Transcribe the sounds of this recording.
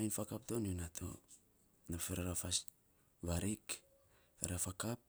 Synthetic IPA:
ajnfakaptonunatʰo̰ | nafeɾaɾafas | βaɾik | feɾafakap̚

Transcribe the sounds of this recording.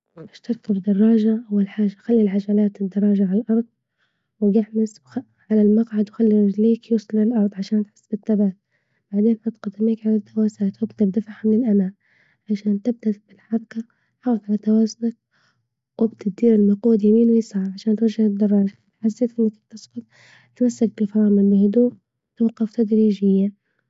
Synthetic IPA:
ʔɪʃt̪ɑɾkɪbd̪ɑrˤːɑːʒaʔawːalħaːʒaxalːilʕaʒaːlaːt̪ɪd̪ːɑɾˤːɑːʒaʕalalʔɑɾˤd̪ˤ | wɪjɪħmɪsw | ʕalalmɑqʕad̪wxalːiɾɪd͡ʒliːkjuːsˤlɪlʔɑɾˤd̪ˤʕaʃaːnt̪ħɪ̥sːbɪt̪ːabaːt̪̚ | b̥aʕd̪eːnħat̪qɑd̪ːɪmiːkʕalat̪ːawaːsaːt̪wɪbd̪abd̪afaħmɪnɪlʔamaːʔ | ʕaʃaːnt̪ɪb̚d̪ab̥ɪlħɑɾˤɑka | ħɑˤt̪ʕalat̪awaːzʊnak̚ | wʔɪbt̪ɪt̪̚d̪iːɾɪlmaquːd̪jamiːnwɪjsˤɑʕʕaʃaːnt̪waʒʒahɪd̪ːɑrˤːɑːʒt̪ħasːeːt̪ʔɪnːak̚t̪ɪsqʊt̪̚ | t̪masːak̚bɪlfɑːmɪlːɪhʊd̪uːʔ | t̪wɑqːɑft̪ad̪ɾiːʒɪjːa

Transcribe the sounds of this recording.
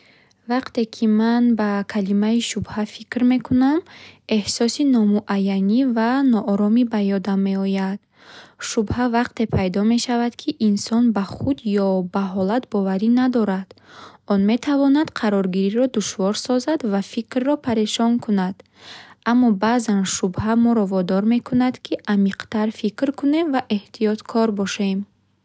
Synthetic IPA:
vaqt̪e̞kʰimanbakʰalimaiʃubhafikɾme̞kuname̞hsɔsinɔmuʔajːanivanɔʔːɾɔmibajɔd̪amːe̞ɔjad̪̥ | ʃubhavaqt̪e̞pʰajd̪ɔme̞ʃavad̪kʰiʔinsɔnbaχud̪jɔbaɦɔlat̪bɔvaɾinad̪ɔɾad̪̥ɔnme̞t̪ʰavɔnad̪̥qʰaɾɔɾɡiɾiɾɔd̪uʃvɔɾsɔzad̪vafikrːɔpʰaɾeʃɔnkʰunad̪̥ | ʔamːɔbazanʃubhamɔɾɔvɔd̪ɔɾme̞kʰunad̪kʰiʔamiqt̪aɾfikɾkʰune̞mvaʔe̞ht̪ʰijɔt̪kʰɔɾbɔʃe̞m

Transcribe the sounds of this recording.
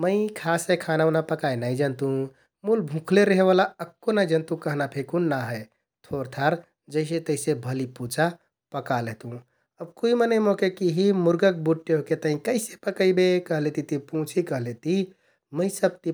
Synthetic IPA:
məɪkʰasekʰanaʊnapəkajnajd͡ʒənt̪ũ | mulbʱũkʰleɾəɦeβalaəkːonajd͡ʒənt̪ũkəɦnapʰekunːaɦəe | t̪ʰoɾt̪ʰaɾ | d͡ʒəɪs̬et̪əɪsebʱəliput͡ʃa | pəkaleɦt̪ũ | əb̚kuimənəjmokekiɦimuɾɡək̚buʈːeɦoket̪əɦĩkəɪsepəkəɪbekəɦlet̪it̪ipũt͡ʃʰikəɦlet̪i | məɪsəb̚t̪i

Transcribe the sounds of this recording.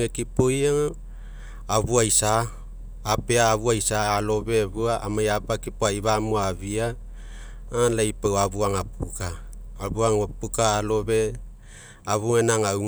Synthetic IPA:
ekipojaŋ | aβuajsaː | peaːβuajsaːlo̞βe̞βuaʔamajapakipoaiβamuaβiaː | lajpawaβuaŋapukaːβuaŋopukaːlo̞βe̞ | aβuŋenaŋawŋ

